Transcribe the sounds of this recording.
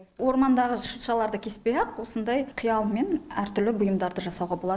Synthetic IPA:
wo̞ɾmɑnd̪ɑʁəʃəʃɑlˠɑɾd̪əkʲʰe̞spejɑqwo̞sənd̪ɑjqʰijɑlˠme̞næɾt̪ʏɾlɪbʊjəmd̪ɑɾd̪əʒɑsɑwʁɑbolˠɑd̪

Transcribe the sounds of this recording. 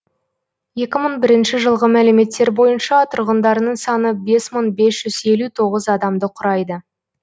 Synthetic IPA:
je̞kʲɪməɴbɪɾɪnʃɪʒəlˠʁəmæleme̞t̪ːe̞ɾbo̞jənʃɑt̪ʰʊɾʁənd̪ɑɾənəɴsɑnəbe̞sməɴbe̞sʒ̥ʏze̞lut̪ʰo̞ʁəzɑd̪ɑmd̪əqʰʊɾɑjd̪ə

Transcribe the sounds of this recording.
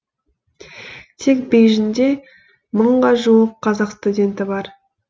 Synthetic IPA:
t̪ʰe̞kbejʒɪnd̪e̞ | məɴʁɑʒuwəqʰːɑzɑqst̪udʲe̞nt̪ɪbɑɾ

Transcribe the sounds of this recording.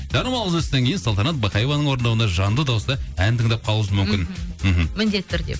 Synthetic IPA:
d̪̥ɑnəmɑlˠəzʏst̪eŋkʲʰejɪnsɑlˠt̪ɑnɑt̪̚bɑqɑjevɑnəɴwo̞ɾənd̪ɑwənd̪ɑʒɑnd̪əd̪ɑwəsd̪ɑænt̪ʰəŋd̪ɑp̚qʰɑlˠuəzəmʏmkʲɪnm̩ɦmmɪnd̪e̞t̪ːʏɾd̪ḛ

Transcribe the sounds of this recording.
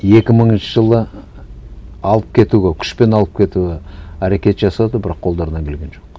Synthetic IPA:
e̞kʲɪməɴənʃəʒəlˠə | ɑlˠəp̚kʲʰe̞t̪uɡʲekʲʰʏ̥ʃpe̞nɑlˠəp̚kʲʰe̞t̪ueæɾe̞kʲe̞t̪ʒɑsɑd̪əbɪɾɑqqʰːo̞lˠd̪ɑɾənɑŋkʰʲe̞lɡʲe̞nʒo̞q

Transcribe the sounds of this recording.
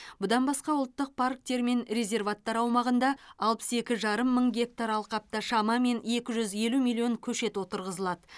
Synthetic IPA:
bʊd̪ɑnbɑsqɑwʊlˠt̪ːəq̚pʰark̚t̪e̞ɾme̞nɾʲe̞zʲe̞rvat̪ːɑɾɑwmɑʁənd̪ɑɑlˠpə̥se̞kʲɪʒɑɾəmːəɴɡʲe̞k̚t̪aɾɑlˠqɑp̚t̪ɑʃɑmɑme̞ne̞kʲɪʒʏzje̞lumijlʲˠijo̞ŋkʲʰɵʃe̞t̪wo̞t̪əɾʁəzəlˠɑd̪ə

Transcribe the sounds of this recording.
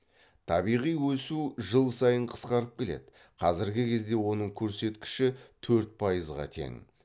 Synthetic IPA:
t̪ʰɑbijʁijwɵsuʒəlˠsɑjəɴqʰə̥sqɑɾəp̚kʲʰe̞le̞̰d̪ɪ | qʰɑzɪɾɡʲɪkʲʰe̞zd̪e̞wo̞nəɴkʲʰɵɾse̞t̪kʲɪ̥ʃɪt̪ʰɵɾt̪̚pʰɑjəzʁɑ̰t̪ʰe̞̰ŋ

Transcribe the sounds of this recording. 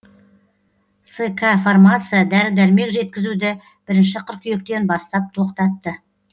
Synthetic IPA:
sekʰaformat̪sɨjad̪æɾɪd̪æɾme̞kʒe̞t̪̚kʲɪzud̪ɪ | b̥ɪɾɪnʃɪqʰʏɾkʲʰije̞k̚t̪e̞nbɑst̪ɑp̚t̪ʰo̞qt̪ɑt̪ːə

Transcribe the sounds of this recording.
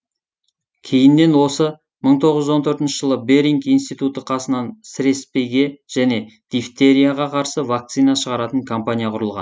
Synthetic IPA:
kʲʰe̞jɪnːe̞nwo̞sə | məɴt̪ʰo̞ʁəʒzo̞nt̪ʰɵɾt̪ɪnʃəʒ̥əlˠəbe̞ɾiŋkijnst̪it̪ut̪əqʰɑsənɑnsɪɾe̞spe̞jɡʲe̞ʒ̥æne̞d̪̥ift̪e̞ɾijaʁɑqʰɑɾsəvak̚t̪sijnɑʃəʁɑɾɑt̪əŋkʰompanijaqʰʊɾəlˠʁɑ̰n

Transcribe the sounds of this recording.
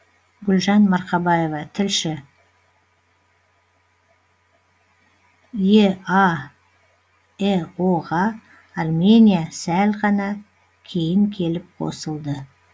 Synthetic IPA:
ɡʲʊlʒɑnmɑɾqɑbɑjevɑt̪ʰɪlʃɪ | jeɑ | eoʁɑː | rme̞nʲijasælʁɑnɑ | kʲʰe̞jɪŋkʲʰe̞lɪp̚qʰo̞̰səlˠd̪ə

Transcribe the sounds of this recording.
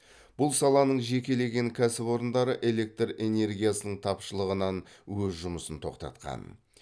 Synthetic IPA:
b̥ʊlˠsɑlˠɑnəɴʒe̞kʲe̞le̞ɡʲe̞ŋkʲʰæsɪpo̞ɾənd̪ɑɾəʔe̞le̞k̚t̪re̞ne̞ɾɡʲijasənəɴt̪ʰɑpʃəlˠəʁənɑnwɵzʒʊməsənt̪ʰo̞̰qt̪ɑ̰t̪qɑ̰n

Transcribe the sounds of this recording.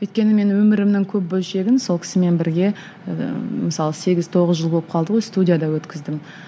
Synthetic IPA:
wɵjt̪̚ʲkʲe̞nɪme̞nwɵmɪɾɪmnɪŋkʲʰɵp̚bɵlˠʃe̞ɡʲɪnsolˠkʲɪ̥sɪme̞nbɪɾɡʲe̞̰ | məsɑlˠəse̞ɡʲɪzt̪ʰo̞ʁəzʒəlˠbo̞lˠəp̚qʰɑlˠd̪əʁo̞jst̪udʲijad̪ɑwɵt̪kʲɪzd̪ɪm

